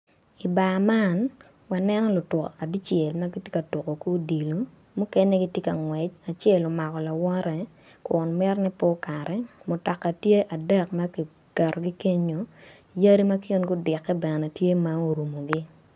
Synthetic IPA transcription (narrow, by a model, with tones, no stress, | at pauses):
i˨ba˨ma˦˨n | wa˨nɛ˦nɔ˦lʊ˨tʊ˨ka˨bi˦t͡ʃjɛ˨lma˦ɡi˦tje˦ka˨to˨ko˨kːdi˨lo˨˦ | mu˦kɛ˦nɛ˦ɡi˦tje˦ka˨ŋwɛ˨t͡ʃa˨t͡ʃɛ˦˨lo˨ma˨kɔ˨la˨wɔ˦ɾɛ˨ | kʊ˨nmɛ˦rnɛ˦po˦ka˨ɾɛ˨˦mʊ˨tɔ˨kːa˨tje˦ʔa˨dɛ˦kma˦ki˨ | kɛ˨ɾɔ˨ɡi˦ke˦ɲo˨ | ja˦ɾi˦ma˦kɪ˦nɡʊ˦dɪ˨kːɛ˦bɛ˨n˨nɛ˨tje˦ma˦o˨ɾu˨mo˨ɡi˦